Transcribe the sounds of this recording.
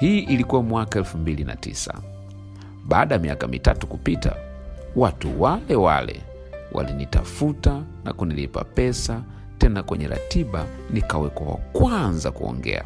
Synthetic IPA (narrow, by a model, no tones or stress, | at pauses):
hiːʔilikuwamwakaɛlfumbilinatḭsa | ɓaːɗajmiakamitatukupita | watuwalɛwa̰lɛ | wʔa̰linitafutana̰kunilipapɛsa | tɛnakwɛɲɛɾa̰tiɓa | nikawɛkwawa̰kwanzakuɔ̰ŋɡɛ̰a